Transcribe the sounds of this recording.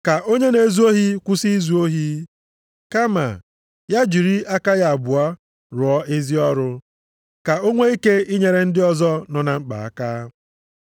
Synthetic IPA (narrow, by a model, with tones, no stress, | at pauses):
ka˨ʔo˦ɲe˦ne˨zu˦o˦ɦi˦kʷʊ˦si˦zu˨˦o˦ɦi˦ | ka˦ma̰˨ | ja˦d͡ʒi˨ɾi˦a˦ka˦ja˨a˨bʊ˨a˦ | ɾʊ˨ɔ˦e˦zi˦ɔ˦ɾʊ˦ | ka˨o˦ŋʷe˦i˦ke˦i˦ɲe˨ɾe˨n̩˦dɪ˦ɔ˦zɔ˦nɔ˨na˨ŋ͡m̩˦k͡pa̰˨a̰˦kaː˦